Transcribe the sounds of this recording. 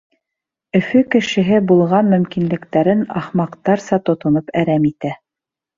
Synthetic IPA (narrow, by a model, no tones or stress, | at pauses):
ɵ̆fɵkɘ̆ʃɘ̆ɦɘbulˠʁɑnmɵ̆mkinlɘ̆kt̪æɾɘnɑχmɑqt̪ɑɾsɑt̪ŏt̪ŏnopæɾæmit̪æ